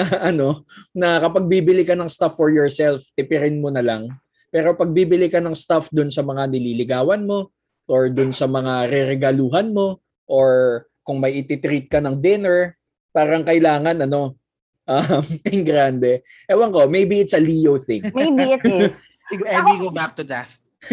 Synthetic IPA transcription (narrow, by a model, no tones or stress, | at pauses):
ɐʔɐno̞nɐkɐpɐɡ̚biːbɪlɪkɐnɐŋst̪afːɔɹjɔɹsɛlfɛpɪɾɪnmonɐlaŋ | pɛːɾo̞pɐɡ̚biːbɪlɪkɐnɐŋst̪afd̪ʊnsɐmɐŋanɪliːlɪɡaːwɐnmo̞ | ʔoɹd̪ʊnsɐmɐŋaɾɛɾɛɡɐluːɦɐnmo̞ | ʔoɹ | kʊŋmɐjʔɪt̪ɪt̪ɾit̪̚kɐnɐŋd̪ɪnɛɹ | paːɾɐŋkɐɪlaːŋɐnɐno̞ | ʔɐmɛŋɡɾand̪ɛ | ʔɛwɐŋko̞mejbiɪt̪sɐlijowθɪŋmbi | ɡɛniɡobak̚t̪ud̪ɛθ